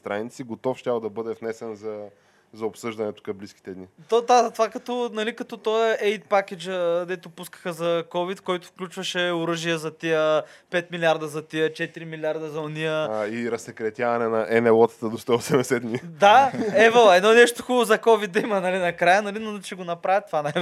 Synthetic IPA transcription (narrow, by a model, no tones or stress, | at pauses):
st̪ɾanit̪siɡot̪ɔfʃt̪ʲabd̪ɐbɤd̪ɛfnɛsɛnzɐ | zɐopsɤʒd̪ɐnɛt̪ʊ̥kɐmbliskʲi̥t̪ɛd̪nit̪od̪at̪vakɐt̪ɔnɐlikɐt̪ɔt̪ɔɛʔɛjt̪̚pakʲɛd͡ʒəd̪ɛt̪ʊpuskə̥xəzɐkɔvit̪kɔjt̪ʊfklʲut͡ʃvɐʃɛʊɾɤʒijəzɐt̪iəpɛt̪miliaɾd̪ɐzɐt̪iət͡ʃɛt̪iɾimilʲiaɾd̪ɐzɐʊniəiɾɐsɛkɾɛt̪ʲjavɐnɛnɐʔɛnɛlˠɔt̪st̪əd̪ost̪ɔosɛmɛsɛd̪nid̪aɛvəlˠaɛnɔnɛʃt̪ʊxubˠʊzɐkɔvit̪̚d̪ɐimɐnɐlinɐkɾajənɐlint͡ʃɛɡonɐpɾavʲjət̪vana